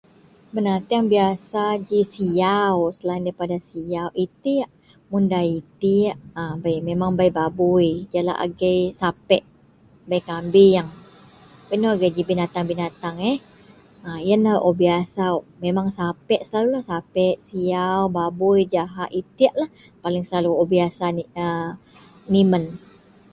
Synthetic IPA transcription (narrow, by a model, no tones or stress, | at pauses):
bənat̪iaŋbiasad͡ʒisijawsəlaindaipadasijawʔit̪iaʔ | mundait̪iaʔəbajmemaŋbajbabujd͡ʒala̰ʔa̰ɡajsapɛʔ | bajkambijaŋ | pənoaɡajd͡ʒibinat̪aŋbinat̪aŋɛ | əijanaʔobiasawmemaŋsapɛʔsəlalulahsapɛʔsiawbabujd͡ʒaɦaʔit̪iaʔlah | palɪŋsəlaluobiasaə | nimən